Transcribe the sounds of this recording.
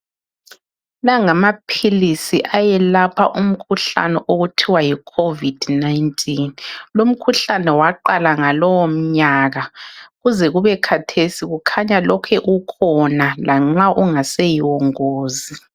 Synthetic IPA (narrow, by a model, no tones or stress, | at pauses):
laŋamapʰilisiʔajɛlapʰaʔum̩kʰuɬa̰nɛʔoɣutʰiwajikʰovid̥najntʼʰinlom̩kʰuɬanɛwaǃalaŋalɔwom̩ɲaːɣaɣuzɛɣuβɛkʰatʰesiɣukʰaɲalɔkʰɛʔukʰɔnalaŋ͡ǁaʔuŋasɛjiwɔŋoːzi